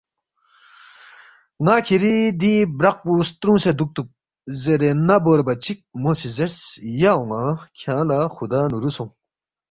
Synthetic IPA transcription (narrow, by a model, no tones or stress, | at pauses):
ŋakʰeɾid̪ibɾak̚pust̪ɾuŋsed̪uk̚t̪uk̚ | zeɾenaboɾbat͡ɕʰik̚mosizeɾsjaoŋakʰãlaxʰud̪aːnuɾusɔŋ